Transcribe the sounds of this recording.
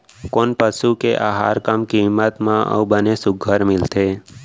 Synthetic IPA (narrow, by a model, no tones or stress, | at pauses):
koːnpəʃukeʔa̰ɦa̰ɾkamkimət̪mãʔə̰ʋbənesʊɡʱəɾmɪlt̪ʰe